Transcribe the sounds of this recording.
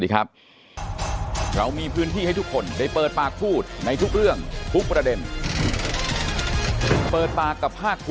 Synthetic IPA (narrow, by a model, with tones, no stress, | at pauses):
iː˨˩kʰa˦˥p̚ | ɾa˧wmiː˧pʰɯː˦˥nt̪ʰiː˥˩a˥˩jt̪ʰu˦˥kʰːo˧ndaː˥˩jpɤː˨˩t̪̚paː˨˩k̚pʰuː˥˩t̪̚na˧jt̪ʰu˦˥k̚ɾɯ˥˩əŋt̪ʰu˦˥k̚pɾa˧de˧n | pɤː˨˩t̪̚paː˨˩kːa˨˩pʰːaː˥˩k̚pʰ